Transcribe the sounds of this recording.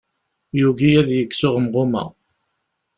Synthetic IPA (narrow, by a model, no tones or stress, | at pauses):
juɡijæðjəkːsʊʁəmʁʊmæ̰